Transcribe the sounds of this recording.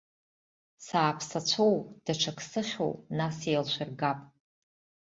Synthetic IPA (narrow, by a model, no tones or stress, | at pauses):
saːpʰsat͡ɕʷʰowd̥aʈ͡ʂʰakʰʼsɨχʲo̰wnasejlʃʷɪrɡapʼ